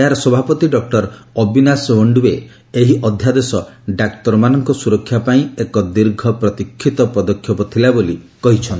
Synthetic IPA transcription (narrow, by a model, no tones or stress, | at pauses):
aɾɔsɔbʱapɔt̪iɖɔk̚ʈɔɾɔbinaswɔɳɖue | eɦiʔɔd̪ʱjad̪esɔɖakʈɔɾmanɔŋkɔsuɾɔkʰːjapaĩekɔd̪iɾɡʱɔpɾɔt̪ikʰːit̪ɔpɔd̪ɔkʰːjɔpɔt̪ʰilaboli | kɔɦit͡ʃʰɔnt̪